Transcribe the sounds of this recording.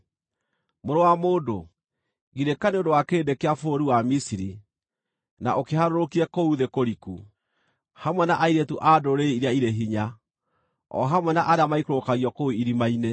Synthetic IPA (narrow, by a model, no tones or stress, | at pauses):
moɾowamoːdo̰ | ɣiɾekaneodowakeːdekeafooɾiwamisiɾi | na̰ʔokehaɾoɾokiɾɛkouðekoɾiku | hamwɛnaʔaiɾetuʔadoɾeiɾjaiɾeɦiɲa | ɔ̰ɦamwɛnaʔaɾeamaikɾokaɣiɔkouiɾimaine